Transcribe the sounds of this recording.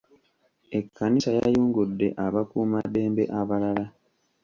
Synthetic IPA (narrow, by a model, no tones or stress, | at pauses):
e̞kʰːanisaja̰juːŋɡudːe̞̰ʔaβakuːmade̞ːmbe̞̰ʔaβalala